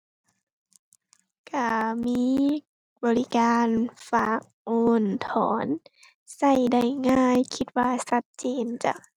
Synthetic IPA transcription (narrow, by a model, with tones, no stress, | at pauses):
ka˧˩miː˧˥˨ | bɔː˨li˦kaː˧nfaː˧˩k̚ʔoː˧nt̪ʰɔ̰ː˨˦n | sa˧˩jda˧˩jŋaː˧˥˩jkʰi˧˦t̪̚waː˧sa˧t̪̚t͡ɕeː˧nt͡ɕa̰˧˩˨